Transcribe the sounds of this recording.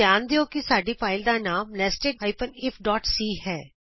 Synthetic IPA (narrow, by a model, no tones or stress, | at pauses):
jaːnd̪eːoːkɪsaːɖiːpʰaːɪld̪aːnaːmlɛːsʈɪkaːɪpənɪpʰɖɔːʈsiːɦɛː